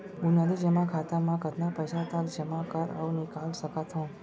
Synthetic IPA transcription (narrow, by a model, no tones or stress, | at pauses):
bunad̪id͡ʒəmakʰat̪amãkət̪napəjsat̪ə̃kd͡ʒəmakəɾə̰ʋnɪkalʃəkat̪ɦɔ̃